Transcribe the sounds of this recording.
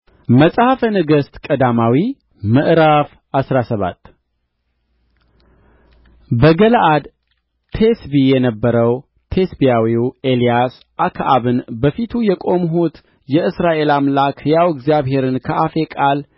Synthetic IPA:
məsʼhafənɨɡəst̪kʼəd̪amawi | mɨʔɾaf | asɾasəβa̰t̪ː | bəɡəlʔad̪ | t̪ʰe̞sbijɛnəbːəɾəw | t̪ʰe̞sbijawiwelijas | ʔakʰaʔaβɨnbəfit̪ʰujɛkʼo̞mɦut̪ | jɛɨsɾaʔe̞lamlakʰjawɪɡzjaβɦe̞ɾɨnkʰəʔafe̞kʼal

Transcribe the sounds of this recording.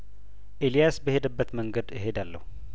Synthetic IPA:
ʔelijasbəhe̞d̪əbːət̪məŋɡəd̪ɨɦe̞d̪alːə̰hu

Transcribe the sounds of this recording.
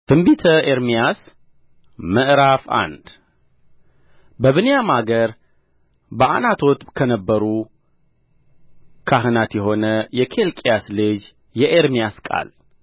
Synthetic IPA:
t̪ʰɨmbit̪ʰəʔeɾmijas | məʔɾafa̰nd̪ | bəβɨnjamaɡəɾ | bəʔanat̪ʰot̪kʰənəbːəɾu | kʰaɦɨnat̪jɛɦo̞nəjɛkʰe̞lkʼjaslɨd͡ʒ | jɛʔeɾmijaskʼa̰l

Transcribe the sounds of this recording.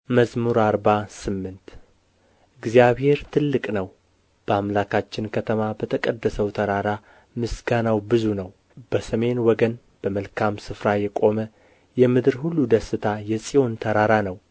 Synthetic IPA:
məsmuɾaɾbasɨmːɨnt̪ | ɨɡzijaβhe̞ɾt̪ʰɨlːɨkʼnəw | b̥əamlakʰat͡ʃːɪnkʰət̪ʰəmabət̪ʰəkʼəd̪ːəsəwt̪ʰəɾaɾa | mɨsɡanawbɨzunəw | b̥əsəme̞nwɔɡən | b̥əməlkʰamsɨfɾajɛkʼo̞mə | jɛmɨd̪ɨɾhulːud̪əsːɨt̪ʰajɛsʼijo̞nt̪ʰəɾaɾanəw

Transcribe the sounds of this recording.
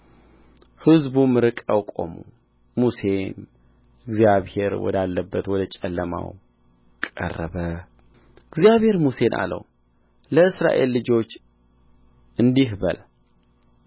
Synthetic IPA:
hɨzbumɨɾɨkʼəwkʼo̞̰mṵ | muse̞n | ɨɡzijaβhe̞ɾwɔ̰d̪alːəbːət̪wɔd̪ət͡ʃʼɛlːəma̰w | kʼə̰rːəβə | ɨɡzjaβhe̞ɾmuse̞nʔa̰lə̰w | ləɨsɾa̰ʔe̞lːɨd͡ʒo̞t͡ʃː | ʔɨnd̪iɦbə̰l

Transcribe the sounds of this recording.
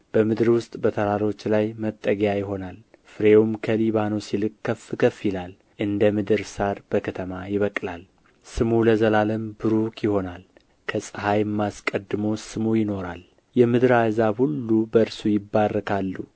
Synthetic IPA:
b̥əmɨd̪ɨɾwʊst̪ʼbət̪ʰəɾaɾo̞t͡ʃːlajmət̪ʼːəɡjajɪɦo̞nal | fɨɾeumkʰəliβano̞silɨkʼːəfɨkʰəfilal | ʔɨnd̪əmɨd̪ɨɾsaɾb̥əkʰət̪ʰəmajɪβəkʼlal | sɨmuləzəlaləmbɨɾukjɪho̞nal | kʰəsʼɨhajmːaskʼəd̪ːɨmo̞sɨmujɪno̞ɾal | jɛmɨd̪ɨɾazahulːubəɨɾsujɪbːarːəkʰalːu

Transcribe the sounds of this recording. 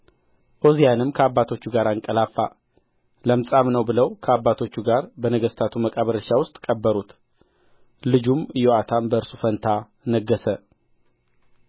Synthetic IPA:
ʔozijanɨmkʰəabːat̪ʰo̞t͡ʃːuɡaɾaŋkʼəlafːa̰ | ləmsʼamnəwbɨləwkʰəabːat̪ʰo̞t͡ʃːuɡaɾbənəɡəst̪ʰat̪ʰuməkʼaβəɾəʃawʊst̪ʼkʼəbːəɾut̪ | lɨd͡ʒumɨjoat̪ʰambəɨɾsufənt̪ʰa | nəɡːəsə

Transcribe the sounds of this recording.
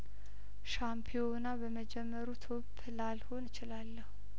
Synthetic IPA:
ʃampʰijonabəməd͡ʒɛmːəɾut̪ʰob | lalho̞nɨt͡ʃɪlalːəhu

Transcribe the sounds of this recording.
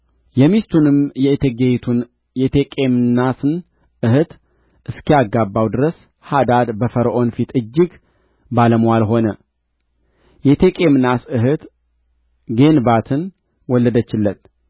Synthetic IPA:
jɛmist̪ʰunɨmjɛt̪ʰeɡet̪ʰun | jɛt̪ʰekʼemnasɨn | ɨhɨt̪ | ʔɨskijaɡːabːawd̪ɨɾəs | had̪ad̪bəfəɾəʔo̞nfit̪ɨd͡ʒːɪɡ | baləmwalɦo̞nə | jɛt̪ʰekʼemnasɨɦɨt̪ | ɡe̞nbat̪ʰɨn | wɔlːəd̪ət͡ʃːɪlːət̪

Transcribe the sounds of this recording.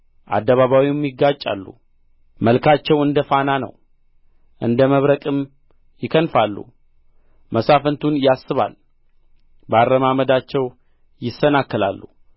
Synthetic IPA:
ʔa̰d̪ːəβaβawimjɪɡːat͡ʃʼa̰lːṵ | məlkʰat͡ʃːɛwɨnd̪əfananə̰w | ʔɨnd̪əməβɾəkʼɨm | jɪkʰənfalːṵ | mʔəsafənt̪ʰunjasːɨβa̰l | bəarːəmaməd̪at͡ʃːɛw | jɪsːənakːɨla̰lːṵ

